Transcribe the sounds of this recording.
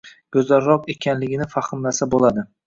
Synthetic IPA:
ɡ̥ɵzlaɾːɒqe̞kʲʰanlɪɡʲɪnɪfaχɪmlasabolˠad̪ɪ

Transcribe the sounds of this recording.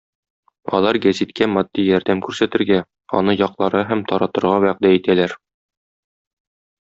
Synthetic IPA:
ɒ̰lˠɑɾɡæzit̪kæmɒd̪̥ːijɒɾd̪æmkʉɾsæt̪ɘ̆ɾɡæ | ɒ̰nɤjɒqlˠɑɾɤɦæmt̪ɒɾɑt̪ɤ̆ɾʁɑwæq̚d̪æit̪ælæɾ

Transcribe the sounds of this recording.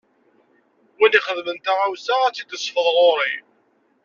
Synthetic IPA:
winiχəðmənt̪aʁawsaæt͡sːit̪ːəsˤfəðˤɾˤoɾˤi

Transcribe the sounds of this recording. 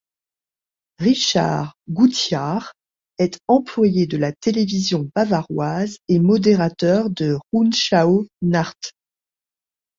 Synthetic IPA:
ʁiʃa̰ʁɡut̪jaʁ | ɛt̪ɑ̃plwajed̪əlat̪elevizjɔ̃bavaʁwazemɔd̪eʁat̪œʁd̪əʁunʃaonaʁt̪

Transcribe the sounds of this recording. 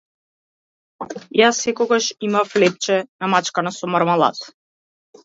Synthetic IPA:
jasɛkɔɡaʃimaflɛp̚t͡ʃɛnamat͡ʃkanasɔmaɾmalˠa̰t̪

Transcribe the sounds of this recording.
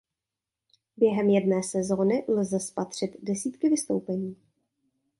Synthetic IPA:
bjɛɦɛmjɛdnɛːsɛzo̞ːnɪlzɛspat̪r̝̥ɪt̪dɛsiːt̪kɪvɪst̪owpɛɲiː

